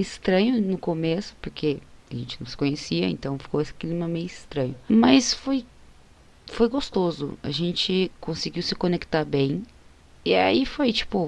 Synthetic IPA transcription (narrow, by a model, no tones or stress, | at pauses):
ɪst̪ɾɐ̃ɲʊnʊkomesʊ̥poɾkʰeaʒẽnt͡ʃɪnɐ̃w̃sɪ̥kõɲesiɐḛ̃nt̪ɐ̃w̃fi̥kowesɪ̥klimɐmẽjʊɪst̪ɾɐ̃ɲʊmɐsfoj | fojɡost̪ozʊ̰a̰ʒẽnt͡ʃɪkõsɪɡiwsɪkõnekt̪aɾbẽj̃ | ia̰ifojt͡ʃi̥pʊ